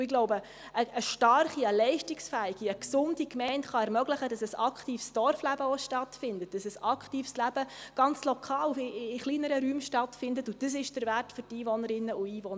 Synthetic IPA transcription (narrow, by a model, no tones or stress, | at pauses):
ɪɡ̥lɔʊbə | əəʃtɑrχiəlɛɪʃtɪksfæɪɡ̥iəksʊnd̥ikmɛɪntχɑɛɾmœɡləχədɑsəsɑkχtiːfsd̥ɔrflæb̥əɔʃtɑtfɪndət̚d̥ɑsəsɑkχtiːfslæb̥əɡ̥ɑnt͡slɔkʰɑːlɪːχliːnəɾəɾyːmʃtɑtfɪndətʊd̥əs̬ɪʃd̥əɾværtfʏɾtiːvɔnəɾɪnːəʊiːvɔn